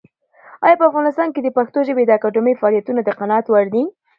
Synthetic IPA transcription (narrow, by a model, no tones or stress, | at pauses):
ɑjɑpəafɣɑnɪst̪ɑnked̪əpaxt̪oʒəbed̪əakɑɖʊmijfaɑlijat̪unad̪əqanɑat̪waɽd̪i